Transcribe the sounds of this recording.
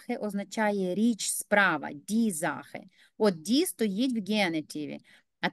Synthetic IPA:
xɪʔɔznɐt͡ʃɑjɛɾʲit͡ʃspɾɑʋɐ̰dʲizɑ̰xɪ̰ | ɔd̪̚dʲist̪ɔjitʲwɡʲɛnetʲiʋʲḭ | ɐ

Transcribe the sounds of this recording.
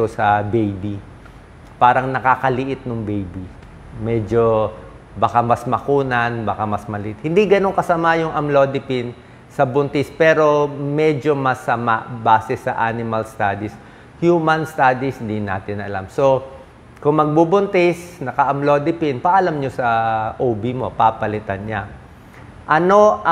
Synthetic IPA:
osɐbejbi | paːɾɐŋnɐkakɐlɪʔɪt̪̚nʊŋbejbi | mɛd͡ʒo | bɐkamɐsmɐkuːnɐnbɐkamɐsmɐlɪʔɪt̪̚hɪnd̪iɡɐno̞ŋkɐsɐmajʊŋʔɐmlod̪ɪpɪn | sɐbʊnt̪ɪspɛːɾo̞mɛd͡ʒo̞mɐsɐmaʔbaːsɛsɐʔanɪmɐlst̪aːd̪is | hjuːmɐnst̪ad̪isɪnd̪ina̰ːt̪ɪnɐ̰la̰mso̞ | kʊŋmɐɡ̚bubʊnt̪ɪsnɐkɐʔɐmlod̪ɪpɪnpɐʔɐlamɲosɐʔoːbimo̞papɐlɪt̪anɲa | ʔɐno̞

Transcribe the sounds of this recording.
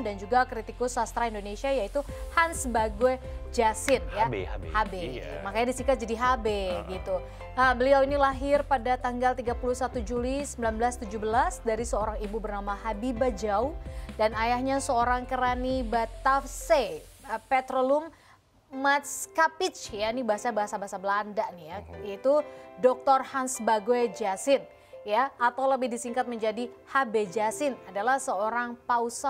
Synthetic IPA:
dand͡ʒuɡakɾit̪ikʊsast̪ɾaindonesiajait̪uhansbaɡue | d͡ʒasɪnjahabemakaɲadisikat̪̚d͡ʒadiɦabeɡit̪u | əbəliawinilaɦɪrpadat̪aŋɡalt̪iɡapulusat̪ud͡ʒulisəmbilanbəlast̪ud͡ʒubəlasdaɾisəoɾaŋibubərnamaɦabibad͡ʒaudanajahɲasəoɾaŋkəɾanibat̪afsepɛt̪ɾoluŋ | mat̪skapit͡ʃjanibaɦasabaɦasabaɦasabəlandaʔnijaait̪udɔk̚t̪ɔrhansbaɡoed͡ʒasɪn | jaat̪awləbɪhdisiŋkat̪̚məɲd͡ʒadihabed͡ʒasɪnadalahsəoɾaŋpausa

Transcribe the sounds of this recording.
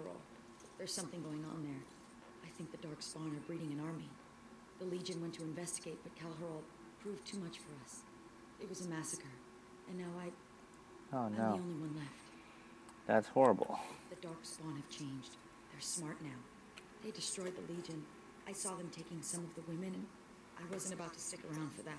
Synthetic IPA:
ə˞l̩ˠ | ðə˞z̥sʌ̃mθɪ̃ŋɡoʊɪ̃ŋə̰̃nðə˞ | ʔaɪθɪ̃ŋk̚ðɨdɑɹksb̥ɑ̃nə˞bɹiɾɪ̃ŋɨ̃nɑɹmi | ðəlid͡ʒɨ̃nwɛ̃ntʰɨɨ̃ɱvɛstɨɡ̥eɪt̚b̥ʌt̚kʰɛlˠɦə˞l̩ˠ | pʰɹ̥uvtʰʉmʌt͡ʃfə˞ʌs | ɨt̚wʌzɨmæsɨkə˞ | ɨ̃nːaʊaɪ | onoiõʊ̃nliwʌ̃nlɛft | ðæ̰tshɔɹə̰bl̩ˠðɨdɑɹksb̥ɑ̃nɨv̥t͡ʃʰẽɪ̃nd͡ʒd | ðə˞smɑɹtⁿnaʊ | ðeɪdɨstɹ̥ɔɪd̪̚ðə̰lid͡ʒɨ̃n | ʔaɪsɔðɨ̃mtʰeɪkɪ̃ŋsʌ̃mʌvðəwɪ̃mɨ̃nɨ̃n | ʔaɪwʌzɨ̃ntɨbaʊtʰɨ̥stɪkə̰˞ãʊ̃nd̥fə˞ðæt̚

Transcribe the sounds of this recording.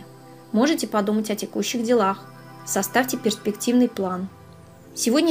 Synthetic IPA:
mo̞ʐɨtʲɪpɐd̪umətʲɐtʲɪkuɕːɪɣdʲɪlˠax | sɐst̪afʲtʲɪpʲɪrspʲɪktʲivnɨjplˠan | sʲɪvodʲnʲə

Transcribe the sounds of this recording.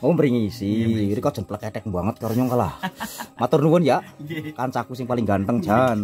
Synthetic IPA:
ombəɾiŋisiiɾikɔd̥ʒ̥ə̤npələkɛʈɛk̚mbaŋət̪̚kaɾoɲɔŋkalahmat̪ʊrnuwʊnjaʔkant͡ʃakusɪŋpalɪŋɡant̪əŋd̥ʒ̥an

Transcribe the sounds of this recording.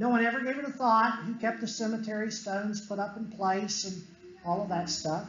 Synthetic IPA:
noʊwʌ̃ñɛvə˞ɡeɪvɨɾəθɔt̚hikʰɛp̚t̪̚ðɨsɛmɨtʰɛɹistõʊ̃nz̥pʰʊɾʌpn̩pʰl̥eɪsɨ̃n | ɔlˠʌvðɨtstʌf

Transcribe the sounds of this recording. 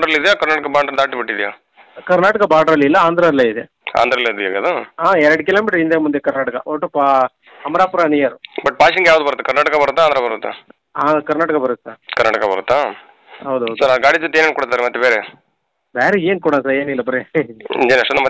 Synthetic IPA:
ɖɾɐlid̪ejakɐɾnaːʈɐkɐbaːɾɖɾɐd̪aːʈipiʈːid̪ijaː | kɐɾnaːʈɐkɐbaːɖɐɾɐlːilːɐaːnd̪ɾalːeid̪ḛ | a̰ːnd̪ɾɐlːeɐd̪ukːḛːɡɐd̪uaːɛɾɐɽukiloːmiʈɾind̪emund̪ekɐɾnaːʈɐkɐ̰oʈːupa | ɐmɐɾaːpuɾanijɐɾbɐʈ̚ːpaːʃɐŋɡejaːʋud̪ubɐɾut̪ːɐkɐɾnaːʈɐkɐbɐɾut̪ːaːnd̪ɾabɐɾut̪ːa̰ | aːkɐɾnaːʈɐkɐbɐɾut̪ːsaːɾkɐɾnaːʈɐkɐbɐɾṵt̪ːaː | ɦɐwd̪uɐsɐɾaɡaːɽid͡ʒot̪ːieːneːnkuːɽut̪ːaːɾemɐt̪ːebeːɾe | beːɾeeːnkuːɽansaɾeːnilːɐbɐɾeḭd͡ʒenɐʂʈːɐnɐmɐ

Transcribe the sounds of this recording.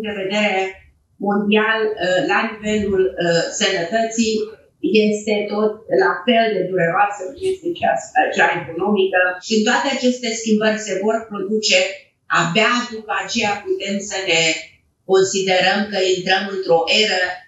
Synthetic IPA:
d̪e̞ve̞d̪e̞ɾe | mo̞nd̪ialːanive̞lulsənət̪ət̪si | je̞st̪e̞t̪o̞t̪̚lafe̞ld̪e̞d̪uɾeoasəkuesit͡ʃa̰sat͡ʃeaeko̞no̞mikəint̪oat̪e̞at͡ʃe̞st̪e̞skʲimbərʲse̞vo̞rpɾo̞d̪ut͡ʃe̞ | abead̪upəat͡ʃe̞japut̪e̞msəne̞ | ko̞nsid̪e̞ɾəmkəint̪ɾəmɨnt̪ɾo̞ʔe̞ɾə

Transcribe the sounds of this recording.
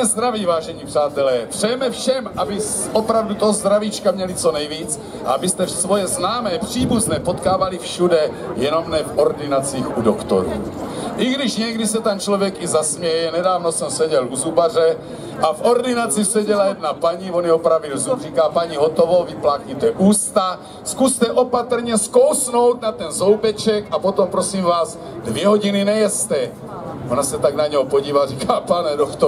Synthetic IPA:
zd̪ɾaviːvaːʒɛɲipraːt̪ɛlɛːpr̥ɛjɛmɛfʃɛmʔabɪ | ʔopɾavdut̪ozd̪ɾavit͡ʃkamɲɛlɪt͡so̞nɛjviːt͡s | ʔa̰abɪst̪ɛsvo̞jɛznaːmɛːpr̥iːbuznɛːpot̪kaːvalifʃudɛ | jɛno̞mnɛfʔo̞ɾdɪnat͡siːxudokt̪o̰ɾṵːʔɪɡdɪʃɲɛɡdɪsɛt̪ɛnt͡ʃlovjɛkɪzasmjɛjɛnɛdaːvnosɛmsɛɟɛlʔuzubar̝ɛ | ʔavoɾdinat͡sisɛɟɛlajɛd̪napaɲivonjɛɦopɾavilzubriːkaːpaɲiɦot̪ovoviplaːkijt̪ɛʔuːst̪a | skust̪ɛʔopat̪r̩ɲɛskowsnowt̪nat̪ɛnzowpɛt͡ʃɛkapot̪ompɾosiːmvaːz | dvjɛɦoɟininɛjɛst̪ɛ | onasɛt̪aɡnaɲɛɦopoɟiːvariːkaːpanɛdokt̪o

